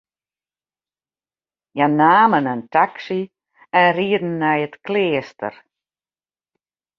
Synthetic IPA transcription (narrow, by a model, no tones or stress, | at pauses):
janaːmənəntaksi | ɛnriədn̩ːɛjətklɪːstə̰r